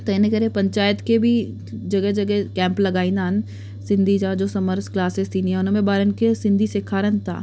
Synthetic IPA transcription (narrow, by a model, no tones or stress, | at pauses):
t̪ɐinekɛɾẽpɐ̃ɲt͡ʃaːjət̪kebʱi | d͡ʒɐɡɛɦd͡ʒɐɡɛkɛ̃ːmplɐɡaːĩnaːn | sɪ̃nd̪ʱid͡ʒad͡ʒoːsɐməɾsklaːsest̪ʰiːnianɐmẽbaːɾənkesɪ̃nd̪ʱisɪkʰaːɾənt̪ʰa̰ː